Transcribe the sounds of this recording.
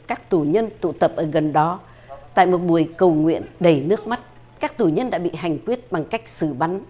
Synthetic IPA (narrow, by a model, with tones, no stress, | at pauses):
kaː˦˥k̚t̪u˧˩ɲə˧nt̪ṵ˧˨t̪ə˨˩p̚ʔəː˧˩ɣə˨˩nɗɔ˨˦ | t̪a̰ː˧˨jmo˨˩t̚ɓu˨˩əjkə˨˩wŋwḭ˧˨ənɗe˧˩nɨ˦˥ək̚ma˦˥t̚ | kaː˦˥k̚t̪u˧˩ɲə˧nɗa̰ː˧˥ɓḭ˧˨ɦa˨˩jŋ̟kwi˦˥ət̚ɓa˨˩ŋka˦˥jk̟̚sɨ˧˩ɓa˨˧˦ŋ